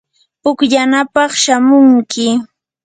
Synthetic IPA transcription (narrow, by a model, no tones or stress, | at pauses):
ʊkʎanapɑχʃamʊŋkɪ